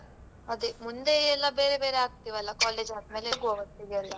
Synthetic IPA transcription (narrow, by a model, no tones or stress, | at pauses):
ɐd̪emund̪eɛlːɐbeːɾebe̞ːɾeaːɡ̚t̪iʋɐlːɐkaːleːd͡ʒaːd̪me̞ːleɡuɐːʋɐt̪ːiɡeɐlːɐ